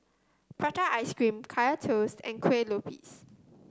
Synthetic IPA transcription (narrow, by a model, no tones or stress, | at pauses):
pʰɹataʔajskɹĩmkʰajatʰostɛ̰̃nkʰwelopʰḭs